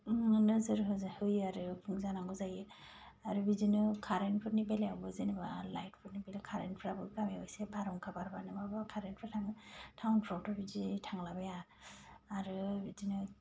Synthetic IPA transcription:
nɯzɯɾɦɯzahɯjɯaɾɯpʰuŋzanaŋɡɯzajɯ | aɾubizinɯkʰaɾenpʰɯtnibeleawbɯzinɯbalajt̚pʰɯɾnibelekʰaɾenpʰɾabɯɡameɔjsebaɾɔŋkʰabaɾbanɯbabakʰaɾenpʰɾatʰaŋɯtʰawnpʰɾɔtʰɔbizitʰaŋlabajaː | ɾɯbizinɯ

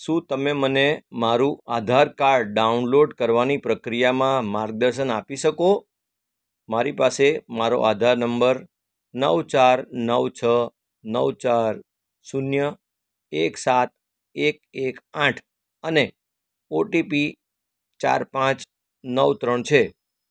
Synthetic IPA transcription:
ʃũt̪əmemənemaɾũad̪ʱaɾkaɾɾɖɖaunloɖkəɾʋanipɾəkɾijamãmaɾɡ̚d̪əɾʃənapiʃəko | maɾipasemaɾo̰ʔad̪ʱaɾnəmbəɾ | nəʋt͡ʃaɾnəʋt͡ʃʰə | nəʋt͡ʃaɾ | sunjə | eksat̪̚ | ek̚ekãʈʰ | əne | oʈipi | t͡ʃa̰ɾpãt͡ʃ | nəʋt̪ɾəɳt͡ʃʰe

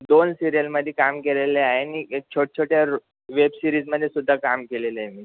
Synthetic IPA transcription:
d̪onsiɾijəlməd̪ʱːjekamkeleleaɦeniek̚t͡ɕʰoʈ̚t͡ɕʰoʈjaɾ | ʋebsiɾiːd͡zməd̪ʱːjesud̪ʱːakamkeleleaɦjmiː

